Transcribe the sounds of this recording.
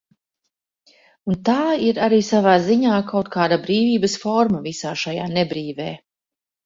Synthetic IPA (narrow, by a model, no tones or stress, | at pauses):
unt̪aːiɾaɾiːsavaːziɲaːkʰawt̪̚kʰaːd̪abɾiːviːbəsfɔɾmɐvisaːʃajaːnɛbɾiːvɛː